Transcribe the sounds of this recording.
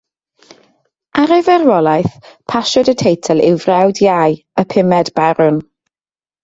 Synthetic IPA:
aɾɛvɛrwɔlˠajθpʰaʃɔdətʰejtʰɛlˠɪwvrɛwdjaj | əpʰɪmɛdbaɾʊn

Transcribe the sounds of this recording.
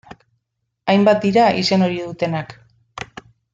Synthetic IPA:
ajmbat̪̚d̪iɾaise̞no̞ɾið̞ut̪e̞nak

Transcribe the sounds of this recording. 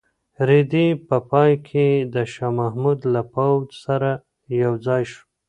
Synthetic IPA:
ɾed̪ipəpɑjkʰed̪əʃɑmahmud̪lapawd͡ʒsaɾa | jawd͡zɑjʃu̥

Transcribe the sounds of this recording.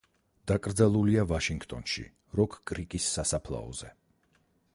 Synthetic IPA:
d̪̥akʼɾd̪zalˠuliavaʃiŋɡt̪ʼɔnʃḭ | ɾɔkʰkʼɾikʼisːasapʰlˠa̰ɔ̰z̥ɛ

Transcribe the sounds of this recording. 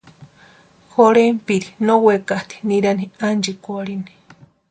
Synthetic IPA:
xoɾempiɾinowekaht̪i̥niɾaniand͡ʒikʷaɽini̥

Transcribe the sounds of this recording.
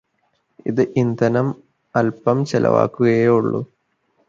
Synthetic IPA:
iðɨʔind̪ɐnɐm | ɐlpɐmt͡ɕelʔɐ̰ʋa̰ːkːuɣɐjeuɭːṵ

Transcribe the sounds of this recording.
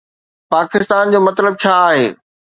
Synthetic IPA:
paːkɪst̪aːnd͡ʑoːmɐt̪ləb̚t͡ɕʰaːaːɦḛː

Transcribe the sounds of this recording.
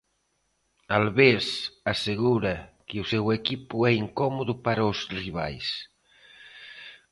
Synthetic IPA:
alβesaseɣ̞uɾɐkeusewekipuɛiŋkɔmoðupaɾaʊsriβ̞a̰js

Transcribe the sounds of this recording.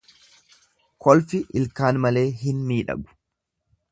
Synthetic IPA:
kʰɔlfɪʔɪlkaːnmɐle̞ːɦɪnmiːᶑɐ̰ɡʊ̥

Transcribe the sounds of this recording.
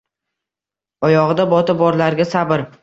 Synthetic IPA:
ɒjɒʁɨd̪abɒt̪ɪbɒɾlaɾɡʲasabɪɾ

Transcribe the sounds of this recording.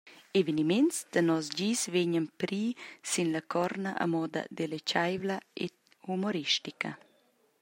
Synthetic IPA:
evenimensd̪ənɔsd͡ʑiːsveɲənpɾiːsinlakʰɔɾnaʔa̰mɔd̪ɐ̰d̪elet͡ʃajvlaḛ | humoɾiʃtikə̰

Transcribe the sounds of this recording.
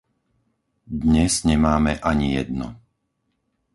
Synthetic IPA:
d̪ɲɛzɲɛmaːmɛʔaɲijɛd̪nɔ̰

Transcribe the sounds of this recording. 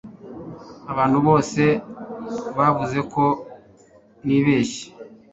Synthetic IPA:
aβaːn̥huβo̞ːse̞ | βavuze̞ko̞ | niːβe̞ːʃe̥

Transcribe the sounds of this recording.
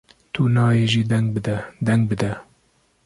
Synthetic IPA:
t̪ʰunɑːjeːʒiːd̪ɛŋɡbd̪ɛd̪ɛŋɡ̚bɨd̪ɛ

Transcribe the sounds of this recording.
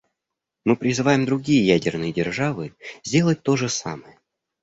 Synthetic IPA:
mɨpɾʲɪzɨvajɪmd̪ɾʊɡʲijəjædʲɪrnɨjədʲɪrʐavɨzʲdʲe̞lˠət̚ʲt̪o̞ʐɨsa̰məjə

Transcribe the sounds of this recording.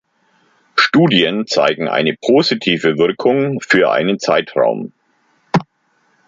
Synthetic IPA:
ʃtuːdjənt͡sa̰ɪɡŋ̩ʔa̰ɪnəpʰoːzitʰiːvəvɪɐkʰʊŋfyːɐʔa̰ɪnənt͡saɪtʁa̰ʊm

